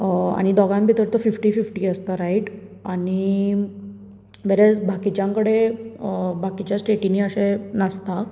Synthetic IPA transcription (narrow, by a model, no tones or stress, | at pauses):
a̰ɽ̃id̪ɔɡambʱit̪əɾt̪əfifʈiːfifʈiːəst̪aɾaiʈ | aɽ̃i | ʋɛɾɛsbʱakit͡ɕjãŋkəɽe | bʱakit͡ɕjasʈeʈiniːəɕenəst̪a